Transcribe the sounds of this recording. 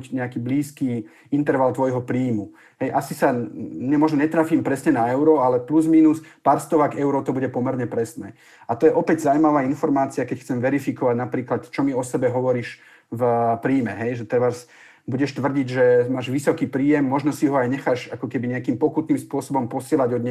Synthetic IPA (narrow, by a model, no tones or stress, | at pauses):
cɲɛakiːbliːskiː | int̪ɛɾʋalt̪ʋɔjɦɔpɾiːmu | ɦɛjʔasisaɲɛmɔʒnɔɲɛt̪ɾaːfiːmpɾɛsɲɛnaɛʊɾɔalɛpluzminuspaɾst̪ɔʋakɛʊɾɔt̪ɔbuɟɛpɔmɛɾɲɛpɾɛsnɛː | at̪ɔjɛʔɔpɛɟzawmaʋaːinfɔɾmaːt͡siakɛcxt͡sɛmʋɛɾifikɔʋaɟnapɾiːklat̪t͡ʃɔmiɔsɛbɛɦɔʋɔɾiːʃ | vpɾiːmɛɦɛjʒɛt̪ɛʋaz | buɟɛʃt̪ʋr̩ɟiɟʒɛmaːʒʋisɔkiːpɾiːjɛmːɔʒnɔsiɦɔajɲɛxaʃakɔkɛbiɲɛakiːmpɔkut̪niːmspʊɔsɔbɔmpɔsɪɛlaɟɔd̪ɲɛ